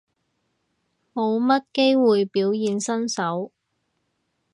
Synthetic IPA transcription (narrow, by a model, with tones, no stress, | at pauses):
mo˨˧wmɐ˥t̚ke˥jwuː˨jpiː˨˥wjiː˨nsɐ˥nsɐ˨˥w